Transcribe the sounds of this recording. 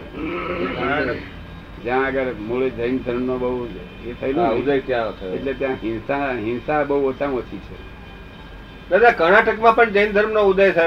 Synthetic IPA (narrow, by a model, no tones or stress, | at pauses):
kəɾnaʈək | d͡ʒjãəɡəɾmoɭed͡ʒəjnd̪ʱəɾmnobəɦu | et̪ʰəineaud̪ʱajk̪jãət̪ʰeeʈlet̪jãɦɪnsãɦɪnsabəɦuət͡ʃãət͡ʃʰit͡ʃʰe | nad̪ãkəɾnaʈəkmãpəɳd͡ʒəind̪ʱəɾmnoud̪ʱajt͡ʃʰe